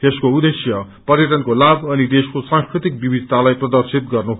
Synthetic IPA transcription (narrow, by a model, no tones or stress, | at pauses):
t̪eskoud̪esjʌ | pʌrjʌʈʌnkolabʌnid̪eskosãŋskɾit̪ik̚bibid̪ʱt̪alajprʌd̪ʌrsit̪̚ɡʌrnu